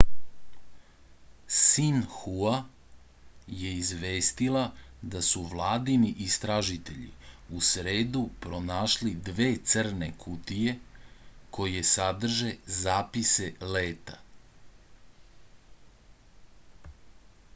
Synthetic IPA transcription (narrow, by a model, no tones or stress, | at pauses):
sinxua | je̞izʋeːst̪ilad̪asuʋlˠaːd̪iniʔist̪ɾaʒit̪e̞ʎḭusɾe̞ːd̪upɾo̞naːʃlid̪ʋe̞ːt̪sr̩ne̞kʰut̪ije̞ | kʰo̞jesad̪r̩ʒe̞zaːpise̞leːt̪a